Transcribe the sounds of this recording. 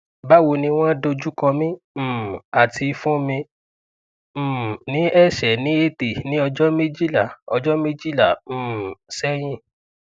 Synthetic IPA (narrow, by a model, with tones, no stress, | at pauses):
ba˦wo˧nĩ˧w̃ɔ̃˦do˧d͡ʒu˦kɔ̃˧mĩ˦˨ | a˨tʰi˧fũ˦mĩ˧˦˨ | nĩ˨˦ɛ˦˨ʃɛ˨nĩ˨˦e˦te˨nĩ˦ɔ˧d͡ʒɔ˦mĩ˦d͡ʒi˦la˦˨ɔ˧d͡ʒɔ˦mĩ˦d͡ʒi˦lã˦˨˦sɛ˦j̃ĩ˦˨